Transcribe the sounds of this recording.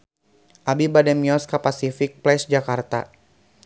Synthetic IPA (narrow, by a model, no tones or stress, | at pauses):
ʔabibadɛmjɔskapasifik̚plɛsd͡ʒakart̪a̰